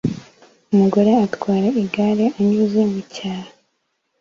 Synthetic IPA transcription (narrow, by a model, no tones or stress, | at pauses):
umuɡo̞ɾe̞atkwaːɾaiɡaɾeaɲiːziːmbucaːha